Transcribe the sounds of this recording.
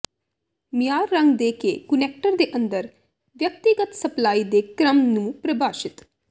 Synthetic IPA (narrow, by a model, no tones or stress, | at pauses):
mɪjaːɾːə̃ŋɡd̪eːkḛːkʊnɛːk̚ʈəɾd̪eːʔə̃nd̪əɾ | ʋjək̚t̪iɡət̪səplaːiːd̪eːkɾəmnũːpɾəbaːʃɪt̪